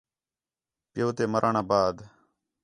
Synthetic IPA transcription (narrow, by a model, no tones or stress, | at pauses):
pɪjoːt̪eːməɾʔaːɳaːbaːd̪